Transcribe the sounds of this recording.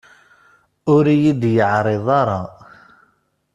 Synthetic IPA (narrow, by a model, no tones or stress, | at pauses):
ʊɾijid̪jəʕɾˤeðˤɑɾˤɑ